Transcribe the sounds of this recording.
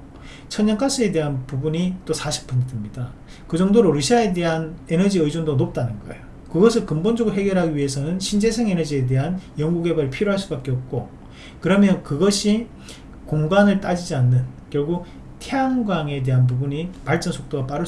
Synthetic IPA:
t͡ɕʰʌnɲʌnk͈as͈ɯe̞de̞ɦanpubuɲit͈osʰaɕʰi̥p̚p͈undɯmɲida | kɯd͡ʑʌŋdoɾoɾuɕʰiae̞de̞ɦane̞nʌd͡ʑiɯid͡ʑondonop̚t͈anɯnɡʌḛjo | kɯɡʌsʰɯɭkɯmbond͡ʑʌɡɯɾoɦe̞ɡjʌɾɦaɡiɥie̞sʰʌnɯnɕʰind͡ʑe̞sʰeŋe̞nʌd͡ʑie̞de̞ɦanjʌŋɡuɡe̞baɾɯɭpʰiɾjoɦaɭs͈ubak͈e̞ʌp̚k͈o | kɯɾʌmjʌnkɯɡʌɕʰi | koŋɡanɯɭt͈ad͡ʑid͡ʑianːɯnkjʌɭɡuk̚ | tʰeaŋɡwaŋe̞de̞ɦanp̬ubuɲipaɭt͡ɕ͈ʌnsʰok̚t͈oɡap͈aɾɯ

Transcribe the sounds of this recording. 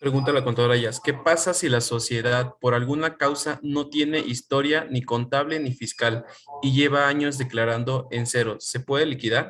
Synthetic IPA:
pɾeɣunt̪alakont̪aoɾaʝaske̞pasasilaso̞sje̞ðaðpo̞ɾalɣunakawsano̞t̪je̞ne̞ʔist̪o̞ɾjaniko̞nt̪aβle̞nifiskaliʝe̞βaaɲo̞zðe̞klaɾand̪o̞e̞nse̞ɾo̞se̞pwe̞ðe̞likiðaɾ

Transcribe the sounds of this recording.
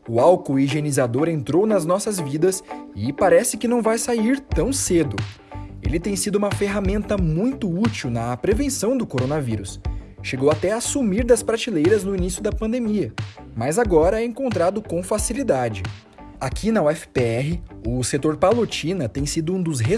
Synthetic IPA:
ʊawkʊiʒenizad̪oɾẽnt̪ɾownɐznɔsɐzvid̪ɐsɪpaɾɛsɪkɪnɐ̃w̃vajsaiɾt̪ɐ̃w̃sed̪ʊ | ḛlɪt̪ẽj̃sid̪ʊũmɐfeɦamẽnt̪ɐmũj̃t̪ʊut͡ʃiwnɐpɾevẽsɐ̃w̃d̪ʊkoɾonɐviɾʊs | ʃeɡowat̪ɛasumiɾd̪ɐspɾat͡ʃilejɾɐznʊinisjʊd̪ɐpɐ̃nd̪emiɐ | mɐzaɡɔɾɐɛẽŋkõnt̪ɾad̪ʊkõfasilid̪ad͡ʒɪ | akʰinɐʊɛfɪ̥peɛɦɪʊset̪oɾpalot͡ʃĩnɐt̪ẽj̃sid̪ʊũd̪ʊzɦe

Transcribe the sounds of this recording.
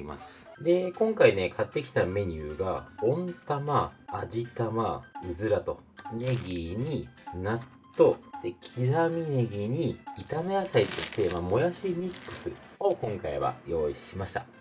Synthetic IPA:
ima̰sɨ̥ | d̪e̞kõ̞ŋkaine̞kʰat̪ːe̞kʲi̥t̪ame̞ɲ̟ɨɯːɡaõ̞nt̪amaːd͡ʑit̪amaɯ̟zɨɾat̪o̞ne̞ɡʲiɲ̟inat̪ːo̞t̪e̞kʲʰiɾamʲine̞ɡʲiɲ̟iːt̪ame̞asait̪ot̪ːe̞mamo̞jaɕimʲikːɯ̥sɨ | o̞kõ̞ŋkaiβa̰jo̞ːiɕimaɕi̥t̪a̰

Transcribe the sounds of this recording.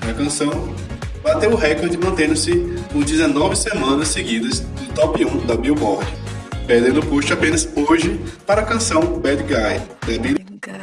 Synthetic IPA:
ɐkɐ̃sɐ̃w̃ | bat̪ewʊɦɛkoɾd͡ʒɪmɐ̃nt̪ẽnd̪ʊsɪkõd͡ʒ̪ɪzenɔvɪsemɐ̃nɐsseɡid̪ɐzd̪ɪt̪ɔpiũd̪ɐbiwbɔɾd͡ʒɪpehd̪ẽd̪ʊpoʃt̪apẽnɐsoʒɪpaɾɐkɐ̃sɐ̃w̃bɛd̪ɡajb̪ɛbiɾi

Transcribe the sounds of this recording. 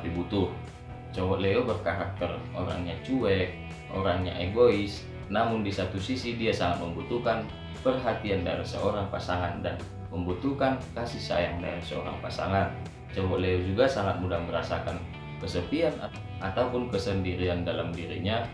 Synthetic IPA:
pibut̪ʊh | t͡ʃowɔʔleobərkaɾak̚t̪əro̰ɾa̰ŋɲat͡ʃuɛk̚ | ʔo̰ɾaŋɲa̰ʔeɡoɪs | namʊndisat̪usisidiasaŋat̪̚məmbut̪ukan | pərɦat̪ianda̰ɾisə̰oɾaŋpasaŋandan | məmbut̪ukankasisa̰jaŋda̰ɾisəo̰ɾa̰ŋpasaŋan | t͡ʃoɦɔʔleod͡ʒuɡasaŋat̪̚mudahməɾa̰sakan | kəsət̪ian | ʔat̪aupʊnkəsəndiɾiandalamdiɾḭɲa

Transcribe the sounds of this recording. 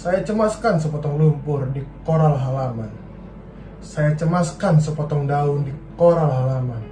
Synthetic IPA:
sajat͡ʃəmaskansəpɔt̪ɔŋlubʊrdikɔɾalɦalaman | sajat͡ʃəmaskansəpɔt̪ɔŋdaundikɔɾalɦalaman

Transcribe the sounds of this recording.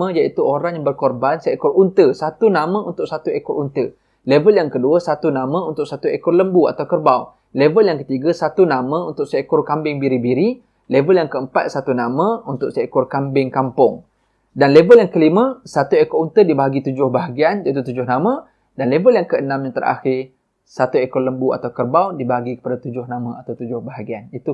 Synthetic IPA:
ə̃jaʔit̪uʔoɾaŋjabərkɔrbansəekʊrunt̪əsat̪unamə̃unt̪ʊʔ̚sat̪uekʊrʔunt̪ə | levəljaŋkəduəsat̪unamə̃unt̪ʊʔ̚sat̪uekʊrləmbua̰t̪awkərbaw | levəljaŋkət̪iɡasat̪unamə̃unt̪ʊʔsəekʊrkambɪŋbiɾibiɾi | levəljaŋkəəmpat̪̚sat̪unamə̃unt̪ʊʔsəkʊrkambɪŋkampʊŋ | danlevəljaŋkəlimə̃sat̪uekɔunt̪ədibaɦaɡit̪ud͡ʒʊhbaɦaɡiand͡ʒat̪ut̪ud͡ʒʊhnamə̃ | danlevəljaŋkəənãmɲãt̪əɾʔa̰xɪr | sat̪uekɔrləmbua̰t̪awkərbawdibaɦaɡikə̥padat̪ud͡ʒʊhnamə̃at̪awt̪ud͡ʒʊhbaɦaɡianit̪u

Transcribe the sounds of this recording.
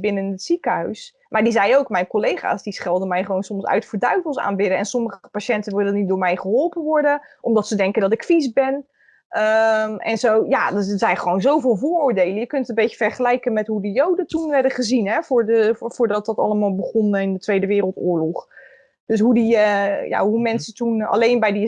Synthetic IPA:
bɪnənətsikəɦœɥs | maːɹdizɛjowkmɛjnkolejχa̰ːsdisχɛlˠdəmɛjχəʋownsɔmsœ̰ɥtfəɹdœɥvəlˠsa̰ːnbɪdəɛnsɔməχəəpaʃɛntənʋɪlˠənit̚dʊːɹmɛjχəɦɔlˠpənʋɔɹdəʔɔmdɔtsədɛŋkəndɔtɪkfisbɛn | əɛ̰nzowjadəəzɛjnχəʋownzowvɪːlˠvoːrʊːɹdejlənjəkɵntənbejə̥v̥ɛrɹχəlɛjkənmɛtɦudijowdətunʋɛɹdəχəzinɦɛvʊɹdəvʊːɹdɑt̚dɑtɑ̰ləmaːlˠbəχɔnɪndətʋejdəʋɪːɾəlˠtʊːɹlɔχ | d̥ɵs̬ɦudiəja̰ɦumɛnsətuna̰lejnbɛjdi

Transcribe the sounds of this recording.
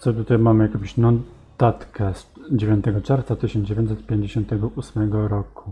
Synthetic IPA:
t̪sɔt̪ut̪ajmamɘjakɔ̃m̃ɕnɔt̪at̪kʰɛsd͡ʑevʲjɔ̃nt̪ɛɡɔt͡ʂɛɾft̪sat̪ɘɕɔnd͡ʑevʲj̃ɔnt̪sɛt̪̚pʲjeɲd͡ʑeɕɔ̃nt̪ɛɡɔʔusmɛɡɔɾɔku

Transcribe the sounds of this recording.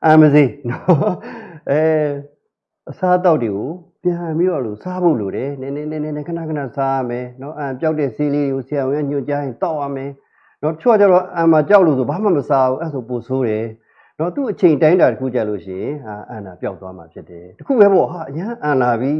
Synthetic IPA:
ʔãməzenɔ | ʔɛ | ʔəsaət̪̬aʊtːweɡopjãmpiɾɔ̰losabo̰loɾɛnɛnɛnɛnɛnɛkʰənakʰna̰saamɛnɔʔãpjaʊtɛseleɾeɣosɪjaʊ̃ã̰ɲ̥ʊ̃t͡ɕajɪ̃nt̪aʊʔa̰mɛ | nɔtət͡ɕʰoat͡ɕaɾɔʔãmat͡ɕjaʊʔlosobama̰məsauʔɛsoposʰoɾɛ | nɔt̪uʔət͡ɕʰẽɪ̃ntãɪ̃ndatəkʰṵt͡ɕa̰lo̰ɕɪ̰̃ɪ̃ʔaʔãndapjaʊt̪ːwama̰pʰjɪtːɛtəkʰṵbɛbɔɦaʔəjãʔãlabji

